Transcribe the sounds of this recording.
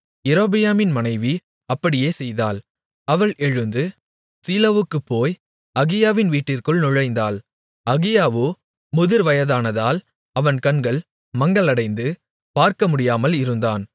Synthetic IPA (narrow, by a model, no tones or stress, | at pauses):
ɛɾoːbɪjaːmɪnmɐnɐɪʋi | ɐpːɐɽɪjeːsɛjðaːl | ɐʋɐɭʔɛɻɯnd̪ɯ | siːlɐʋɯkːɯpːoːj | ɐɣɪjaːʋɪnʋiːʈːɪrkɯɭnʊɻɐɪnd̪aːl | ɐɣɪjaːʋɯ | mʊðɯɾʋɐjɐðaːnɐðaːl | ɐʋɐnkɐnɡɐɭ | mɐŋɡɐɭɐɽɐɪnd̪ɯ | paːɾkɐmʊɽɪjaːmɐlɪɾɯnd̪aːn